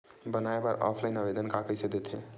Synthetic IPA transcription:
bənaeba̰ɾɔ̰pʰlaɪinəbed̪ənkakəjsẽd̪et̪ʰḛ

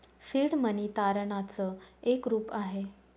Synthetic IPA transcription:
siɽmənit̪aɾɳat͡səekɾuːpaɦe

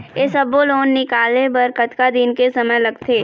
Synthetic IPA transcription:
jesɐboloːnːɪkaːlebɐɾkɐt̪kad̪ɪnkesɐməjlɐɡt̪ʰeː

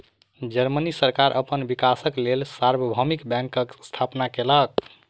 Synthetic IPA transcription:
d͡ʒəɾmənisəɾkaɾʔəpənbikasəklelsaɾbəbʱəmikbɛ̃ŋkəkst̪ʰapnakelək̚

